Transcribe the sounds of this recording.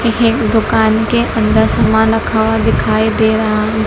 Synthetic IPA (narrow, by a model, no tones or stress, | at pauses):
ɦekd̪ʊkaːnkeʔɐ̃nd̪əɾsɐmãɾɐkʰaːʋad̪ɪkʰaːid̪eːɾɐɦã